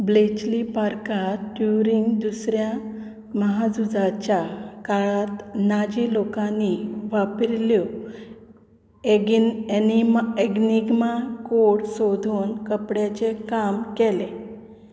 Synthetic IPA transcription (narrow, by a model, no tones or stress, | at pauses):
blet͡ɕlipaɾkaɖjuɾiŋɡd̪usɾja | məɦad͡zud͡zat͡ɕjakaɭat̪nad͡ʑilokãnːiʋapɾljɔ | ieɡniɡmakoɽsod̪ʱuːnkəpɽjat͡ɕekamkɛle